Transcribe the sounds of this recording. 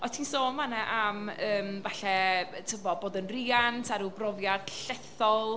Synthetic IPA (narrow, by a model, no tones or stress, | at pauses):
ɔtʰiːnsoːnmanɛʔaməːmvaɬɛtʰɪmɔboːdənriːantʰaɾubrɔvjad̥ɬɛθɔlˠ